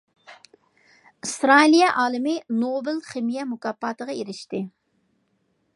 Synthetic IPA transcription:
ɨst̪ɾɑlijɛʔɑːlˠɪmɪnobɪlχɪmijɛmukɑpːɑːt̪ʰəʁɑeɾɪʃt̪ɪ

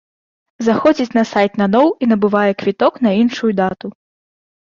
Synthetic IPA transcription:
zaxɔd͡zʲit͡sʲnɐsajt̪nanɔwinɐbɨvajɛkvʲit̪ɔkn̪ɐinʂujud̪at̪u

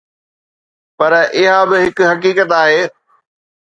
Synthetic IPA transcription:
pɐɾʔɪɦabɪɦɪkʊɦɐkiːkət̪aːɦeː

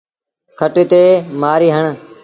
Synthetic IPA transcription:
kʰəʈeːt̪eːmaːɾiːɦəɳ̃

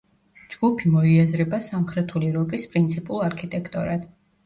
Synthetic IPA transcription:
d͡ʒɡ̥upʰimɔiazɾɛbasamχɾɛt̪ʰuliɾɔkʼispʼɾint̪sʰipʼulˠaɾkʰit̪ʼɛkʰt̪ʼɔɾad̪̥

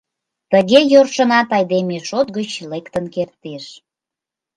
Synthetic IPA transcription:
t̪əɣejorʃənɑt̪ɑjd̪emeʃot̪ɡət͡ɕlekt̪ənkert̪eʃ

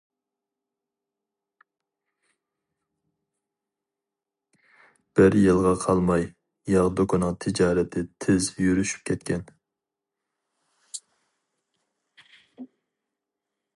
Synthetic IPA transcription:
b̥ɪɾjɨlˠʁɑqʰɑlˠmɑj | jɑʁd̪okʰʊnɨŋt̪ʰɪd͡ʒɑːɾɛt̪ʰɪt̪ʰɪzjyɾyʃy̥p̚kʲʰɛt̪̚kʲʰɛn

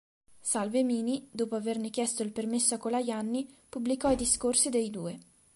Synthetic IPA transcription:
salvemiːnid̪oːpoavernekjɛst̪oilpermesːoakːolajanːipublikɔid̪iskorsid̪ejd̪uːe

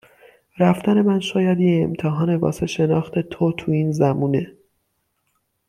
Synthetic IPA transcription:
ɾæft̪æne̞mænʃɒːjæd̪jeemt̪ʰeɦɒːne̞vɒ̰ːse̞ʃe̞nɒːxt̪ʰe̞t̪ʰot̪ʰuːiːnzæmuːne̞

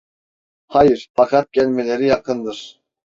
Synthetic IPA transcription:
hajɯɾ̥fakʰat̪̚ɟɛlʲmelʲeɾijakʰɯnd̪ɯɾ̥

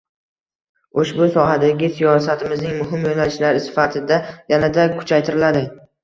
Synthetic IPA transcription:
oʃbʊsɒɦad̪aɡʲɪsijɒsat̪ʰɪmɪznɪŋmʊɦɪmjonalɪʃlaɾɪsɪ̥fat̪ʰɪd̪ajanad̪akʰʊ̥t͡ʃʰajt̪ʰɪɾɪlad̪ɪ

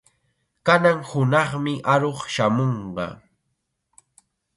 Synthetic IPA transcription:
kanaŋhʊnɑχmɪʔaɾoχʃamoɴɢɑ̰

